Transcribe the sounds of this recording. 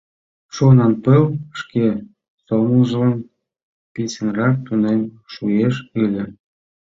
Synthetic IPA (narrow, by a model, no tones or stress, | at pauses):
ʃunɑnpəlʃke | soməlʒə̆lən | pit͡sə̆nrɑk̚t̪unem | ʃueʃilʲĕ